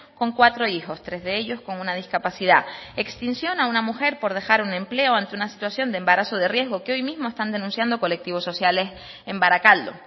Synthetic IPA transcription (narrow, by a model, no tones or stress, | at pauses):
ko̞ŋkwat̪ɾo̞ixo̞st̪ɾe̞zðe̞e̞ʎo̞sko̞ŋunað̞iskapasiðae̞kst̪insjo̞naunamuxe̞ɾpo̞ɾð̞e̞xaɾunẽ̞mple̞oant̪eunasi̥t̪wasjo̞nd̪embaɾaso̞ðe̞rje̞zɣo̞keojmizmoe̞st̪and̪e̞nũnsjand̪oko̞le̞k̚t̪iβ̞o̞sːo̞sjale̞s | e̞mbaɾakald̪o̞̰